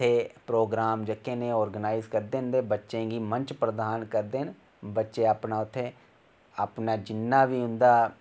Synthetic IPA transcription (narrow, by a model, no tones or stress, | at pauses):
t̪ʰːeːpɾoːɡɾaːmd͡ʒəkːẽːneɔːɾɡənaːɪzkəɾd̪ẽːnd̪eːbətːʃẽːɡimə̃ɲt͡ʃpɾəd̪aːnkəɾd̪eːn | bətːʃeapnaːʊt̪ʰːe | apnaːd͡ʒɪnːaːʋiːʊ̃nd̪aː